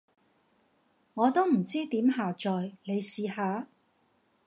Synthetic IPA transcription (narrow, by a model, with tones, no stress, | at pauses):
ŋɔː˨˧t̪o˥wm̩˨˩t͡siː˥t̪iː˨˥mɦaː˨˩t͡ʃɔː˨jne˨˧jsiː˨˧haː˨˧